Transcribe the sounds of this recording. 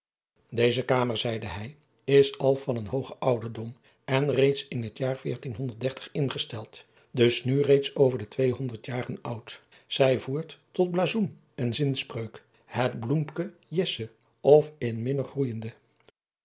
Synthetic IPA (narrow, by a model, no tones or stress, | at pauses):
dejzəkaːməɹzɛjdəɦɛj | ɪsɑlˠvɑnənɦowχəʔʌwdəɹdɔm | ɛnrejtsɪnɦətjaːɹv̥ɪːɹtinɦɔndəɹt̚dɛɹtə̥χɪnχəstɛlˠt | dɵsnyrejtsowvəɹdətʋejɦɔndəɹtjaːrənʌwt | z̥ɛjvuːɹtːɔd̚blaːzum | ɛnzɪnsprøɥk | hədblumpkəjɪsə | ɔfɪnmɪnəχrujəndə